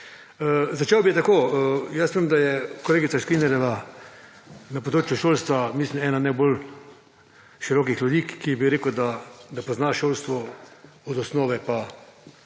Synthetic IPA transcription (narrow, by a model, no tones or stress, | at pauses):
əzat͡ʃewbijɛt̪akoːəjasimd̪ajɛkɔleːɡit̪saʃkɾinɛɾjɛʋa | napɔd̪ɾoːt͡ʃjuʃoːlst̪ʋamislimɛːnanaɪbol | ʃiɾɔːkixljud̪iːkːibiɾeːkəd̪ad̪apɔznaʃoːlst̪ʋɔ | ɔd̪ɔsnoːʋɛpa